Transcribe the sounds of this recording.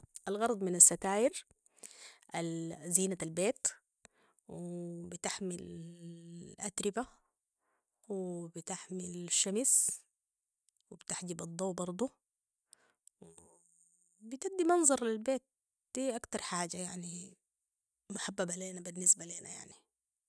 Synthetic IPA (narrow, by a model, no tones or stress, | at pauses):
ʔalɣɑɾˤɑd̪ˤmɪnasːat̪aːʔɪɾ | ʔalziːnaalbeːt̪ | wibɪt̪aħmɪl | lʔat̪ɾɪba | wibɪt̪aħmɪlaʃːamis | wibt̪aħd͡ʒibɑd̪ˤːɑwːbɑɾˤd̪ˤu | wi | bɪt̪ad̪ːimɑnzˤɑɾˤlilbeːt̪̚ | d̪̥iːʔakt̪ɑɾˤħaːd͡ʒajaʕni | mʊħabːabʕaleːnabinːɪsbaleːna̰ja̰ʕni